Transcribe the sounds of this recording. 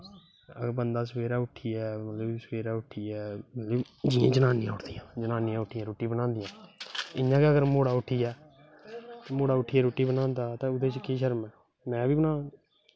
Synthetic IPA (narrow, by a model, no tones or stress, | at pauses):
əɡəɾbənd̪aːsəʋeːɾaːʊʈʰːiːɛːmət̪ləbsəʋeːɾaːʊʈʰːiːɛːmət̪ləb | d͡ʒɪːãːd͡ʒənaːnɪ̃jãːʊʈʰd̪ijãːd͡ʒənaːnɪjãːʊʈʰːiːãːɾoːʈːĩbənãːnd̪ijãːɪɲãːkeəɡəɾmoːɽaːʊʈʰiːɛː | t̪ẽːmoːɽaːʊʈʰiːɛːɾoːʈiːbənãːnd̪aːt̪ẽːʊd̪eːt͡ʃəkʰːiːʃəɾmɛː | mɛ̃ːbiːbənãː